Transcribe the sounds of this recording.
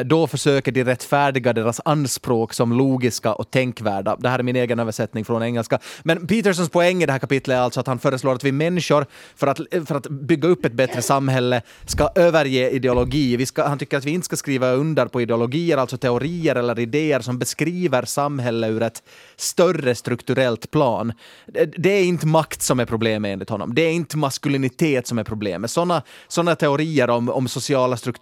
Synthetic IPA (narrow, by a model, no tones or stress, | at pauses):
d̪ɔfœʂøːkəɖɪɾɛt̪ːfæːɖɪɡad̪eːɾasanspɾoːksɔmloːɡɪskaʔɔt̪ʰɛŋkvæ̰ːɖa̰d̪ɛhæːɾæɾmɪneːɡənøːvəʂɛt̪nɪŋfɾɔnɛŋːəlskamɛnpiːt̪əʂɔnspʰɔɛŋːɪd̪ɛhæːkʰapɪt̪ʰlət̪ɾalt̪sɔat̪hanfœːɾəsloːɾat̪vɪmɛnːɪʂʊɾ | fœɾat̪fœɾat̪bʏɡːaɵpːɛt̪̚bɛt̪ɾəsamːɦɛlːə | skaʔøːvəɾjeːɪd̪ɛʊlɔɡiːvɪskahant̪ʏkːəɾat̪vɪɪnt̪ə̥skaskɾiːvaɵnd̪əɾpɔɪd̪ɛʊlɔɡiːəɾalt̪sɔt̪ʰɛʊɾiːəɾɛlːəɾɪd̪eːəɾsɔmbɛskɾiːvəɾsamːɦɛlːəʉɾɛt̪ | st̪œrəst̪ɾɵkt̪ʉɾɛlt̪pʰlɑːnd̪ɛæɾɪnt̪əmakt̪sɔmæɾpʰɾʊbleːmeːnlɪt̪hɔnːɔ̰md̪ɛːɾɪnt̪əmaskʉlɪnɪt̪ʰeːt̪sɔmæɾpʰɾʊblḛːməsɔnːasɔnːat̪ʰɛʊɾiːəɾɔmɔ̰msʊsɪɑːlast̪ɾɵk